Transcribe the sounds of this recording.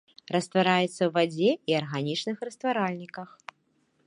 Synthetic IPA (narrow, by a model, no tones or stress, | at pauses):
rɐst̪vaɾajɛt̪sːɐwvad͡zʲɛiɐrɣanʲit͡ʂnɨxrɐst̪vaɾalʲnʲikɐx